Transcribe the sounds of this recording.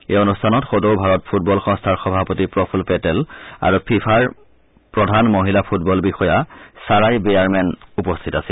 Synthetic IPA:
eonustʰanɔtxodowbʱaɹɔt̚pʰut̚bɔlxɔ̃ŋstʰaɹxɔbʱapotipɹɔpʰulpɛtɛla̰ɹupʰipʰaɹ | pɹɔdʱanmoɦilapʰut̚bɔlbixɔjasaɹajbejaɹmɛnupɔstʰitasil

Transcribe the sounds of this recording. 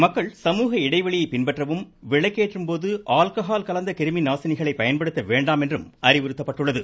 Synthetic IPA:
mɐkːɐɭsɐmuːɣɐɪɽɐɪʋɐɭɪjɐɪpɪnbɐʈrɐʋɯm | ʋɪɭɐɪkːeːʈrɯmpoːðɯʔaːlkɐɦaːlkɐlɐnd̪ɐkɪɾɯminaːsɐnɪɣɐɭɐɪpːɐjɐnpɐɽɯt̪ːɐʋeːɳɖaːmɛndrɯmɐɾɪʋɪɾɯt̪ːɐpːɐʈːɯɭːɐðɯ

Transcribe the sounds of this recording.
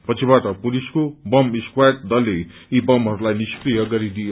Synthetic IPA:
pʌt͡sʰibaʈʌpuliskobʌmiskwajʈ̚d̪ʌlːe | ibʌmɦʌɾulajniskrijʌɡʌɾid̪ij

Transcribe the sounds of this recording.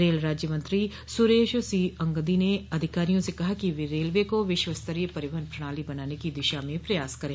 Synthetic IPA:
ɾeːlɾaːd͡ʒjəmə̃nt̪ɾi | sʊɾeːʃosiːɐ̃ŋɡəd̪ineɐd̪ʱɪkaːɾijõsekɐɦakiʋɪɾeːlʋekoʋɪʃwəst̪əɾijəpɐɾɪbənpɾɐɽ̃aːlibɐnaːnekid̪ɪʃamẽpɾɐjaːskɐɾẽː

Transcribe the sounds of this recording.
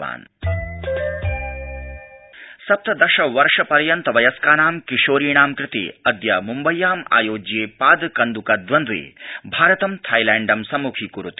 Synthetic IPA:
a̰ːn | sɐp̚t̪ɐd̪ɐʃɐʋɐɾʂɐpɐɾjɐnt̪ɐʋɐjɐskaːnaːmkiʃoːɾiːɳaːmkɾɪt̪ḛːɐd̪jɐmumbɐjːaːma̰ːjoːd͡ʒjeːpaːd̪kɐnd̪ukɐd̪ʋɐnd̪ʋḛːbʱaːɾɐt̪ɐmt̪ʰaːjlæːɳɖɐmsɐmukʰiːkuɾut̪i̥

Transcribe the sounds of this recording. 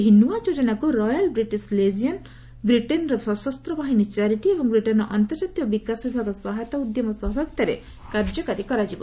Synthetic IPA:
ɦinuwad͡ʒod͡ʒɔnakuɾɔjalbɾiʈislezijan | bɾiʈenɾɔsɔsɔst̪ɾɔbaɦinit͡ʃaɾiʈiebɔŋbɾiʈenɔʔɔnt̪ɔɾd͡ʒat̪ijɔbikasbib̪ʱakɔsɔɦajt̪aud̪jɔmɔsɔɦbɔk̚t̪aɾḛ | kaɾd͡ʒɔkaɾikɔɾad͡ʒibɔ

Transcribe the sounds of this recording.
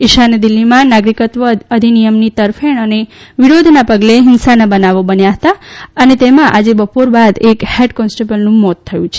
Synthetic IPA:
ɪʃand̪ilːimãnaɡɾikət̪ʋəəd̪ʱinijəmnit̪əɾfeɳəneʋiɾod̪ʱnapəɡleɦɪnsanabənaʋobənjaɦət̪aənet̪emãʔad͡ʒebəpoɾbad̪ekheʈkɔnsʈebəlnũmɔt̪ʰːəjũt͡ʃʰe̥

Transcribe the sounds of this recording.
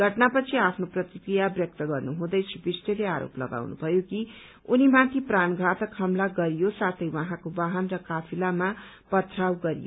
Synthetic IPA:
ɡʱʌʈnapʌt͡sʰiapʰnoprʌt̪ikɾijabjʌk̚t̪ʌɡʌrnuɦũd̪ʌjt͡sʰibisʈeleaɾo̰plʌ̰ɡa̰wnṵbʱʌjoki | unimãt̪ʰipranɡʱat̪ʌkʰːʌmlaɡʌɾijosat̪ʰʌjwaɦãkobaɦʌnrʌkapʰilama | pʌt̪ʰrawɡʌɾḭjo̰

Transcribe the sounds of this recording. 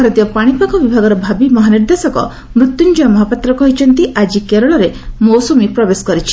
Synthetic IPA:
ɔɾɔt̪ijɔpaɽ̃ipakɔbibʱaɡɔɾɔbʱabimɔɦaniɾd̪esɔkɔ̰ | mɾut̪jund͡ʒuɔmɔɦapat̪ɾɔkɔɦit͡ʃʰɔnt̪iʔad͡ʒikeɾɔɭɔɾemɔwsɔmipɾɔbeskɔɾit͡ʃʰi̥

